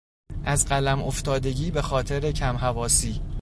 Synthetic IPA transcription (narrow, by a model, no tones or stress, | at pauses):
ʔæzɢælæmoft̪ɒːd̪e̞ɟiːbe̞xɒːt̪ʰe̞ɾe̞cʰæmɦævɒːsiː